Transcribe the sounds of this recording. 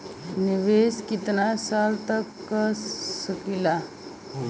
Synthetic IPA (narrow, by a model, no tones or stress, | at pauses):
niʋeskit̪nasalt̪əkː | əsəkila